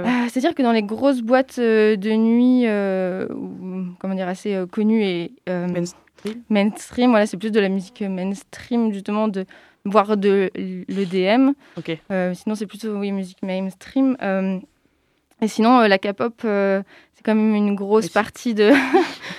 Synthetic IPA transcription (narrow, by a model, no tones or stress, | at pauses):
øse̥t̪ad̪iʁkəd̪ɑ̃leɡʁos̬bwat̪ød̪ənɥiøṵkɔmɑ̃d̪iʁaseøkɔnyeø | imɛnst̪χimvwalasɛplyod̪əlamyzikømɛnst̪χimʒyst̪əmɑ̃d̪ə | vwaʁd̪ələd̪eɛm | okeømɛsinɔ̃s̬ɛplyt̪owimyzikmɛmst̪χimøm | esinɔ̃ølakapɔpø | sɛ̥kɑ̃mɛmynɡʁosspaʁt̪ʰid̪ə